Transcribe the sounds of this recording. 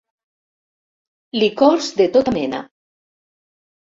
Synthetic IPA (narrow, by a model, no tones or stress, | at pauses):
likɔɾzd̪et̪ot̪amena̰